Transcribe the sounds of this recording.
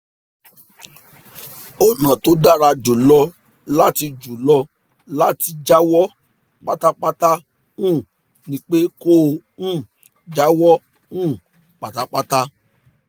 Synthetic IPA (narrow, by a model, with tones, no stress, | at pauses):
o˨nã˨to˨˦da˦˨ɾa˧d͡ʒu˨lɔ˧ | la˦ti˧d͡ʒu˨lɔ˧ | la˦ti˧d͡ʒa˦wɔ˦ | k͡pa˦ta˦k͡pa˦ta˦ | ũ˦˨ | nĩ˦k͡pe˦ko˦ũ˦˨ | d͡ʒa˦wɔ˦ | ũ˦˨ | k͡pa˨ta˦k͡pa˦ta˦